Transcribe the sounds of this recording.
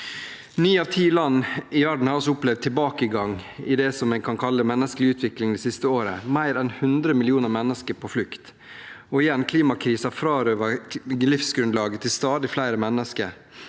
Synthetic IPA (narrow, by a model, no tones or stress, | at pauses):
nyːɑːʋt̪ʰiːlɑnːɪʋæɖɳ̩hɑɾɔsɔʊplɛʋd̪̚t̪ʰːɪlbɑːkəɡɑŋɪd̪ɛsɔmɛɪnkʰɑnkʰɑlːəmɛnːəsklɪʉːt̪ʰʋɪklɪŋd̪ɛsɪst̪əoːɾəmæɪɾɛnhʉnd̪ɾəmɪlɪuːnəɾmɛnːəskəɾpʰɔflʉkt̪ | ɔɪjɛnːkʰliːmɑkʰɾiːsɑfɾɑːɾøːʋəlɪfsɡɾʉnlɑːɡət̪ʰɪlst̪ɑːd̪ɪflæɪɾəmɛnːəskəɾ